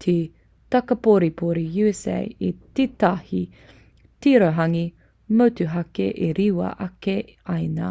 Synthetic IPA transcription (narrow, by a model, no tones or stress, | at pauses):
tʰe | tɐkɐpoɾipʰoɾijʉɛsḛjititahi | tiɾoɦɐŋi | mɐwtuɦɐkeʔeɾiwɐ̰ʔɐke | ɐjna